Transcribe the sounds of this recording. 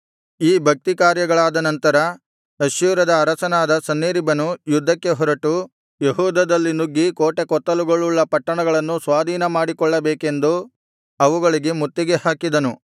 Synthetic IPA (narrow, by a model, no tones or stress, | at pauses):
iːbʱɐk̚t̪ikaːɾjɐɡɐɭaːd̪ɐnɐnt̪ɐɾɐ | ɐʃjuːɾɐd̪ɐːɾɐsɐnaːd̪ɐsɐnːeːɾibɐnujud̪ʱːɐkːeɦɔɾɐʈu | jeɦuːd̪ɐd̪ɐlːinuɡːikoːʈekɔt̪ːɐluɡoɭːuɭːɐpɐʈːɐɳɐɡɐɭɐnːusʋaːd̪ʱiːnɐmaːɽikɔɭːɐbeːke̞nd̪u | ɐʋuɡɐɭiɡemut̪ːiɡehaːkid̪ɐnu